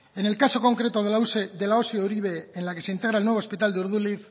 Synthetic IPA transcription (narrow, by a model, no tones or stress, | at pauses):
e̞ne̞lkaso̞ko̞ŋkɾe̞t̪oðelusd̪elaosiouɾiβ̞eenlake̞se̞int̪e̞ɣ̞ɾaelnwe̞β̞ospit̪ald̪euɾðuliθ